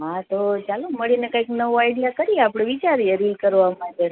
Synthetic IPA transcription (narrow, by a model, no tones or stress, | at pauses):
ɦãt̪ot͡ʃaloməɭinekaiknəʋoajɽijakəɾieapɽ̃eʋit͡ʃaɾiəɾilkəɾʋamãɳʈe